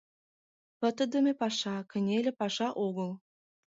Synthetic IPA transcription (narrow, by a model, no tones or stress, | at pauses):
pə̆t̪ə̆d̪ə̆mĕpɑʃɑkə̆nʲelʲĕpɑʃɑʔoɣɤ̆l